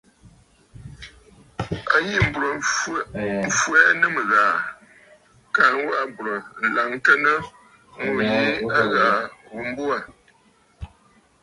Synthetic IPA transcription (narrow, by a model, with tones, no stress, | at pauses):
a˨ji˦m̩˨bu˨ɾə˨ | ɱ̩˨fwɛ˦nɨ˦mə˨ɣaː˨ | ka˨n˦wa˦ʔbu˨ɾə˨n̩˨la˨ŋ˦tə˦nə˦ | ŋ̩o˨ji˦a˦ɣaː˨wu˨m˦bu˦a˨